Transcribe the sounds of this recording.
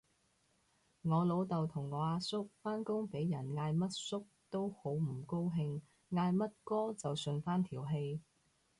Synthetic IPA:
ŋɔː˨˧lo˨˥wt̪ɐ˨wt̪ʰʊ˨˩ŋːɔː˨˧aː˧sʊ˥k̚faː˥nkʊ˥ŋpe˨˥jjɐ˨˩nŋaː˧jmɐ˥t̚sʊ˥k̚t̪o˥who˨˥wm̩˨˩ko˥wɦɪ˧ŋ | ŋaː˧jmɐ˥t̚kɔː˥t͡sɐ˨wsɵ˧nfaː˥nt̪ʰiː˨˩wɦe˧j

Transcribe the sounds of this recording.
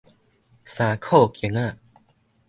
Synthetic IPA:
saː˨˦kʰo˥˩kjə˨ŋa˥˩˨

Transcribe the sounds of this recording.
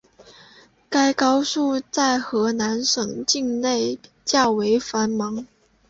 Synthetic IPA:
ka˥ɪkɑ˥ʊʂu˥˧t͡sa˥˩ɪxɤ˧˥na˧˥nʂɤ˨˩ŋt͡ɕi˥˧ŋne˥˩ɪ | t͡ɕjɑ˥˩ʊwe˧˥ɪfa˧˥nmɑ˧˥ŋ

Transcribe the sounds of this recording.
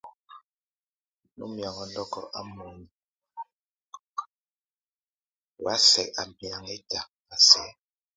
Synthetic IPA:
nṵ˦mja˨ŋɔ˨n̩˦dɔ˦kɔ̰˨ʔa˦mu˨˦ni˨ | wa˦sɛ˨a˨m˨pja˨ŋe˦ta˨ | a˨sɛ˨˦

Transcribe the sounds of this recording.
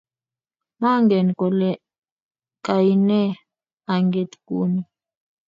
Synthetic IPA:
ma˦ŋɡɛ˨n˨kɔ˨lɛ˦ | ka˨i˨nɛ˦ | a˨ŋɡe˨t̪kṵ˦ni˨

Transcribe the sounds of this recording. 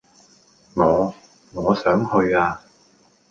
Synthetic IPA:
ŋɔː˨˧ | ŋɔː˨˧sœː˨˥ŋhɵ˧ɥaː˧

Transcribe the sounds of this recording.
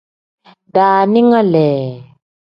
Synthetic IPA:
daː˨ni˦ŋa˦lɛː˨

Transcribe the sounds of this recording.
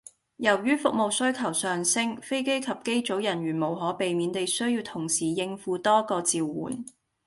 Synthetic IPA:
jɐ˨˩wjyː˥fʊ˨k̚mo˨wsɵ˥ɥkʰɐ˨˩wsœː˨ŋsɪ˥ŋfe˥jke˥jkʰɐ˨p̚ke˥jt͡so˨˥wjɐ˨˩nɥyː˨˩nmo˨˩wɦɔː˨˥pe˨jmiː˨˧nt̪e˨jsɵ˥ɥjiː˧wt̪ʰʊ˨˩ŋsiː˨˩jɪ˧ŋfuː˨˧t̪ɔː˥kɔː˧t͡siː˨˧wːṵː˨˩n

